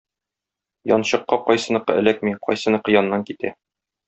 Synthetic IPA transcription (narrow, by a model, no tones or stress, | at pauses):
jɒ̰nɕɤ̆qːɑqɒjsɤ̆nɤ̆qːɤ̰ʔɘ̰̆læk̚miqʰɒ̰jsɤ̆nɤ̆qɤ̆jɒnːɑŋkit̪æ̰